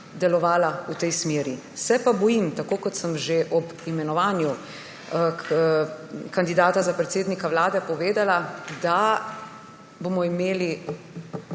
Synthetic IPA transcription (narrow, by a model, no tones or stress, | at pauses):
d̪ɛlɔʋaːlaut̪ɛjsmeːɾi | sɛpabɔjimt̪akoːkɔt̪səmʒeʔɔbimɛnɔʋaːnju | kand̪id̪aːt̪azapɾɛt̪seːd̪nikaʋlaːd̪ɛpɔʋeːd̪alad̪a | boːmɔimeːli